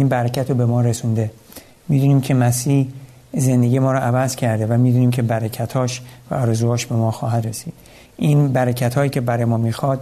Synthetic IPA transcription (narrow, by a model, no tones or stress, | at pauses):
iːnbæɾecʰæt̪ʰobe̞mɒːɾesund̪e̞ | miːd̪uːniːmcʰe̞mæsiːh | ze̞nd̪eɟiːemɒːɾɔʔævæzcʰæɾd̪evæmiːd̪uːniːmcʲʰebæɾecʰæt̪ʰhɒːʃvæ̰ɒːɾezuːhɒːʃbe̞mɒːxɒːɦæd̪ɾesiːd̪̥ | ʔinbæɾecʰæt̪ʰhɒːjiːcʰe̞bæɾɒːjemɒːmiːxɒːd̪̥